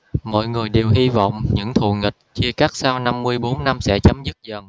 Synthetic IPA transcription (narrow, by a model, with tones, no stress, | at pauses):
mɔ̰˧˨jŋɨ˨˩əjɗe˨˩wɦi˧vɔ̰˧˨wŋ͡mɲɨ̰˧˥ŋt̪ʰṵ˧˨ŋï˨˩k̚t͡ɕi˧əkaː˦˥k̚saː˧wna˧mːɨ˧əjɓo˨˦nːa˧msɛ̰˧˥t͡ɕə˨˦mzɨ˦˥t̚zə˨˩ŋ